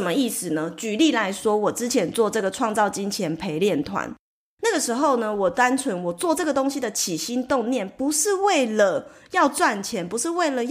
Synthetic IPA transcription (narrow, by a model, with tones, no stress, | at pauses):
ə˨˩mə˦i˥˩sɹ̩˨˩nə˦t͡ɕy˨˩li˥˨˩la˧˥ɪʂwɔ˥wɔ˨˩ʈ͡ʂɻ̩˥t͡ɕʰjɛ˧˥nt͡swɔ˥˧ʈ͡ʂɤ˥˩ɡə˩ʈ͡ʂʰwɑ˥˧ŋt͡sɑ˥˩ʊt͡ɕi˥nt͡ɕʰjɛ˧˥npʰe˧˥ɪljɛ˥˩nt̪ʰwa̰˧˦n | na˥˩ɡə˩ʂɻ̩˧˥xo˥˩ʊnə˩wɔ˨˩t̪a˦˥nt͡sʰwə˧˥nwɔ˨˩t͡swɔ˥˨˧ʈ͡ʂɤ˥˩ɡə˩t̪o˥ŋɕi˧d̪ə˨t͡ɕʰi˨˩ɕi˥nt̪o˥˧ŋnjɛ˥˩npu˨˦ʂɻ̩˥˧we˥˩ɪlə˨jɑ˥˧ʊt͡swa˥˩nt͡ɕʰjɛ˧˥npu˧˦ʂɻ̩˥˧we˥˩ɪlə˨